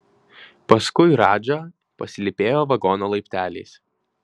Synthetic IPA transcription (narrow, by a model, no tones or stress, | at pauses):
pɐskʊɪɾɑːd͡ʒʲɐ | pɐsʲɪlʲɪpʲeːjoːʋɐɡɔːnoːlˠɐɪpʲt̪ʲæːlʲḛːs